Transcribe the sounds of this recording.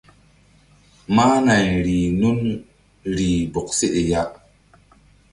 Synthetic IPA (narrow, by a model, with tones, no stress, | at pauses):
ma˦na˨ɲɾi˨nu˦n | ɾi˨bo˨k̚se˦ʔe˨ja˦ʔ